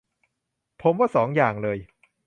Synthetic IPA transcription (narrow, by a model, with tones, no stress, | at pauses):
pʰo˩˦mwaː˥˩sɔː˩˦ŋjaː˨˩ŋlɤː˧j